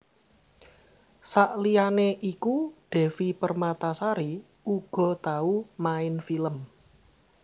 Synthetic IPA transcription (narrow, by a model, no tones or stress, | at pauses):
saʔlianeʔikuɖ̥ɛ̤fipərmat̪asaɾi | uɡ̥ɔ̤t̪aumaɪnfiləm